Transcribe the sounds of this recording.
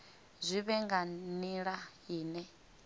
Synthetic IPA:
zʷiβɛŋɡaniɺaɦiːnɛ

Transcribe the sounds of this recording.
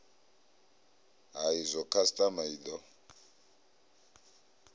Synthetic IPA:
ɦaizʷɔkʰastʼamaid̪ɔ

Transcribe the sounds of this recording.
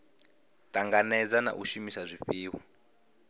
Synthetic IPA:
tʼaŋɡanɛd͡zana̰ʔuʃumisazʷiɸiːwa

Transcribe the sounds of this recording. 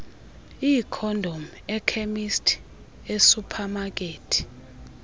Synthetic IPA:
ikʰɔndʱom | ɛkʰemistʰ | esupʰamak̬ʼeːtʰi̥

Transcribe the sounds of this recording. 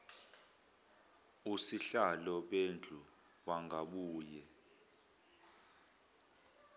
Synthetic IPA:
usiɬalɔɓend͡ɮʱu | waŋɡʱaɓuːjɛ

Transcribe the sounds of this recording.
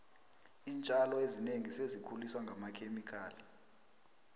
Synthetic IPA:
iːnt͡ʃʼalɔezineŋisezikʰuliswaŋɡʱamakʰemikʰaːli

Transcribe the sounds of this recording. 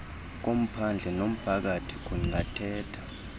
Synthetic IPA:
k̬om̩pʰand͡ɮʱɛnom̩pʰak̬atʰi̥k̬ʼuŋatʰɛːtʰḁ

